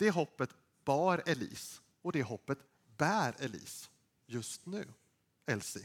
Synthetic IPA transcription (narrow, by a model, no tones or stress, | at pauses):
d̪̥ɛɦɔpːət̪ | b̥æːɾɛlḭːs | ɔd̪ɛɦɔpːət̪ | bæːɾɛlḭːs | jɵst̪nʉ̟ː | ɛlsɪ